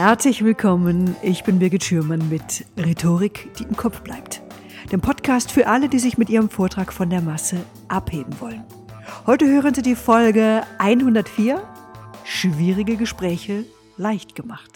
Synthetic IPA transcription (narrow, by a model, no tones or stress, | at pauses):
hɛɐt͡slɪçv̥ɪlkʰɔmənʔɪçb̥ɪnbɪɐɡɪtʃyːɐmanmɪtʁetʰoːʁɪkd̥iːʔɪmkʰɔpp͡fb̥la̰ɪpt | d̥eːmpʰɔtkʰaːstfyːɐʔalədiːzɪçmɪtʔiːʁəmfoːɐtʁ̥aːkfɔndeːɐmasə | ʔapheːbm̩vɔlən | hɔʏtəhøːʁ̞ənziːdiːfɔlɡəʔaɪnhʊndɐtfiːɐ | ʃv̥iːʁɪɡəɡəʃpʁ̥ɛːçə | laɪçtɡ̥əmaχt